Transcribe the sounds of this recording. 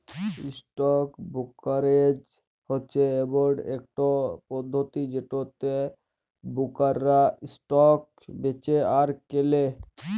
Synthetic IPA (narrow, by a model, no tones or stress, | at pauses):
isʈɔkbukaɾed͡ʒ | hotːɕʰeeboɾɖḛk̚ʈopɔd̪ʱːot̪id͡ʒeʈot̪e | bukaɾːaisʈɔk̚ | bet͡ɕeaɾkele